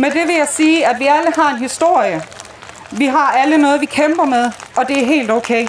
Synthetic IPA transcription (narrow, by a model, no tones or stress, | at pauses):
med̥e̝ʋe̝jɑ̈ɪsiːædʋiæləɦɑ̈e̝nɦisd̥o̝ɐ̰jə | ʋiɦɑ̈ælənɔ̽ːð̞̩ˠʋikʰemb̥ɐmeð̞ˠʔɒ̽d̥e̝æɐɦe̝̰ːld̥oʊkʰeɪ